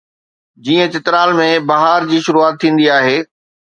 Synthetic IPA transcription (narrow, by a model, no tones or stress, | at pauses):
d͡ʑiːə̃t͡ɕɪt̪ɾaːlmẽbɐɦaːɾd͡ʑiːʃʊɾuaːt̪ʰːĩːn̆d̪iaːɦeː